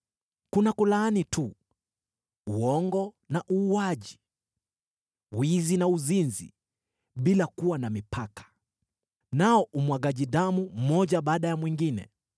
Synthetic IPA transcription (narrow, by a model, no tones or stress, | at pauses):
kunakulaːnitu | uɔŋɡɔ | naʔuːwaʄi̥ | wwizinauzinzḭ | ɓilakuwanamipʰakḁ | naɔʔumwaɠaʄiɗamum̩mɔʄaɓaːɗajamwiŋɡinɛ̰